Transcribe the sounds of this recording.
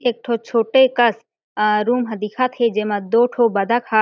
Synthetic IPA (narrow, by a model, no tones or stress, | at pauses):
eːk̚ʈʰot͡ʃʰoːʈekəs | ɾuːmɦɐd̪iːkʰat̪ʰed͡ʒeːmãd̪oːʈʰoːbɐd̪ʱəkha